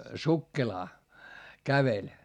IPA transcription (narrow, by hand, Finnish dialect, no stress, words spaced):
sukːelɑː kæʋelʲ